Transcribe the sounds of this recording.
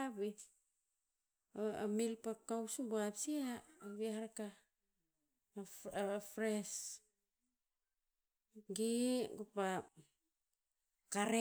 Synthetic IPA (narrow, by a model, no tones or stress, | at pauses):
bi | a̰milpakawsubuapsiaaβiaaɾaka | fɾes | ɡiɡupa | kaɾe